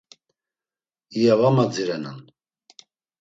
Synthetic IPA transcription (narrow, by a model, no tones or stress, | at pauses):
ijavamad͡ziɾɛnan